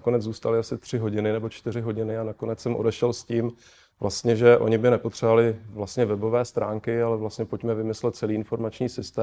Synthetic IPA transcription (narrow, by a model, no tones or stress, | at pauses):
ko̞nɛd͡zzuːst̪alɪasɪt̪r̝̥ɪɦo̞ɟɪnɪnɛbot͡ʃt̪ɪrɪɦo̞ɟɪnɪanako̞nɛt͡ssɛmʔo̰dɛʃɛlsciːm | vlast̪ɲɛʒɛʔo̞̰ɲɪbɪnɛpot̪r̥ɛvalɪvlast̪ɲɛvɛbo̞vɛːst̪ɾʔa̰ːŋkɪalɛvlast̪ɲɛpo̞cmɛvɪmɪslɛt̪̚t͡sɛliːɪnfo̞ɾmat͡ʃɲiːsɪst̪ɛː